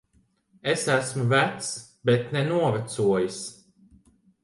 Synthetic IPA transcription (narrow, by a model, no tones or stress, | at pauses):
esæsmuvæt̪s | bet̪nɛnuɔvæt̪suɔjis